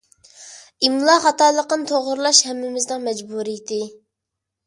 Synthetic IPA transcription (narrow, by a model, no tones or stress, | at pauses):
imlˠɑχɑt̪ɑːlˠəqənt̪ʰoʁʊɾlˠɑʃhɛmːɪmɪznɪŋmɛd͡ʒbuɾijit̪ʰɪ